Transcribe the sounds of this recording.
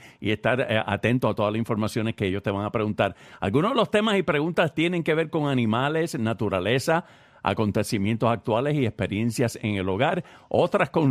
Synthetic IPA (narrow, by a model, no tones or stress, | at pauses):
ḭe̞st̪aɾa̰t̪e̞nt̪oat̪o̞ðalasĩɱfo̞ɾmasjo̞neskeeʝo̞st̪e̞βaŋapɾeɣunt̪aɾa̰lɡunoðelo̞st̪e̞masipɾe̞ɣunt̪ast̪jenẽ̞ŋke̞βe̞ɾko̞ŋanĩmale̞snat̪uɾale̞sa | a̰ko̞nt̪e̞simjẽnt̪o̞sak̚t̪wale̞siespe̞ɾje̞nsjase̞̰ŋe̞lo̞ɣaɾo̞t̪ɾasko̞n